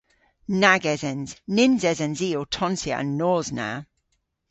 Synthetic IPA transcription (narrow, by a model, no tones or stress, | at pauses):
naɡɛzɛnz̥nɪnzɛzɛ̃nziːotʰɔ̃nsiə̰ʔə̰̃nːɔːzna̰